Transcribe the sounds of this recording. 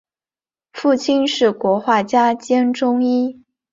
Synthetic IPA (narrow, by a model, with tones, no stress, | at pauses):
fu˥˩t͡ɕʰi˥nʂɻ̩˥˩kwɔ˧˥xwa˥˩t͡ɕja˥t͡ɕjɛ˥nʈ͡ʂʊ˥ŋi˥